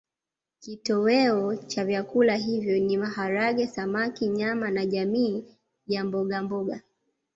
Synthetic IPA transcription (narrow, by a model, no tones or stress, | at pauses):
kitɔwɛɔt͡ʃavjakulaɦivjɔnimahaɾaɠɛsamakiɲamanaʄamiː | jambɔɠambɔɠa